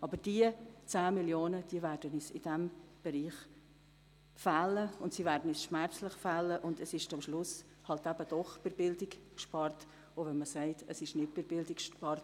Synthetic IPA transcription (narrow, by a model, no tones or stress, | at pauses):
ʔɑbəd̥iət͡sæːmɪljoːnəd̥iəvæːɾdənisɪ̰d̥ɛmb̥ɛɾiːχ | fæːləʊntsivæːɾdən̩ɛsʃmæɾt͡slɪχfalːəʔʊndəsɪʃtʊmʃlʊs | hɑltæbəd̥ɔχb̥ɪɾbɪldɪkkʃpɑrt | ovɛnməsɛɪtʰəsɪʃnɪt̚b̥ɪɾbɪldɪkʃpɑrt